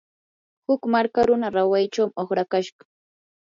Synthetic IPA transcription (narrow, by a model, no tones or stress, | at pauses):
hʊkmaɾkaɾʊnaɾawajt͡ʃawmoχɾakaʃɢɑ̥